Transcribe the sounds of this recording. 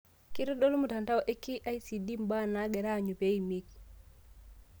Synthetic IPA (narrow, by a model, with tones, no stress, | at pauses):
ki˦ɾɔ˦do˦lu˦mu˨ta˨nta˦wʔe˦kːi˦ʔa˦jsi˨di˦mba˦na˦ɡɛ˨ɾa˦˨ɲu˨pe˦i˨mi˦k̚